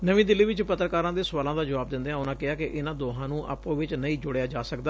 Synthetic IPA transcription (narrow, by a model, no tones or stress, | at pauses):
nəʋĩːd̪ɪlːiːʋɪt͡ʃpət̪ːɾəkaːɾãːd̪eːsʊʋaːlãːd̪aːd͡ʒəʋaːb̚d̪ɪ̃nd̪eːãːʊnãːkɪɦaːkɪʔɪnãːd̪oːɦãːnũːʔa̰ːpõːʋɪt͡ʃnəĩːd͡ʒʊɽejaːd͡ʒaːsəkd̪aː